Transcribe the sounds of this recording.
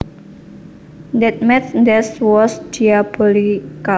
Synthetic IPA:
ndɛt̪̚mɛt̪nd̪ɛswɔsd͡ʒiab̥olika

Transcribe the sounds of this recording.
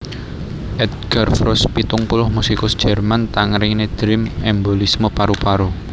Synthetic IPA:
ʔɛd̪̚ɡ̥arfɾɔspit̪ʊŋpulʊhmusikʊsd̥ʒ̥ɛ̤rmant̪aŋɾɪŋned̪̥ɾɪmɛmbolismopaɾupaɾu

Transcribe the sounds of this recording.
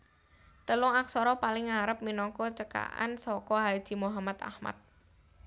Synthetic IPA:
t̪əlʊŋak̚sɔɾɔpalɪŋaɾəp̚minɔŋkɔt͡ʃəka̰ʔa̰nsɔkɔɦad̥ʒ̥i̤muɦamat̪a̰hma̰t̪̚

